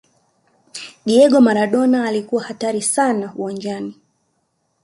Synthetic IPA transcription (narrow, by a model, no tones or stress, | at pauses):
ɗiɛɠɔmaɾaɗɔnaːlikuwahataɾisanauwand͡ʒani